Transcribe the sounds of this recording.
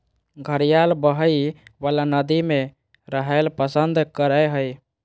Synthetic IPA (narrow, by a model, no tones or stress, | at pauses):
ɡʱəɾijalbəɦəibalanəd̪ime | ɾəɦəlpəsənd̪kəɾəɦəj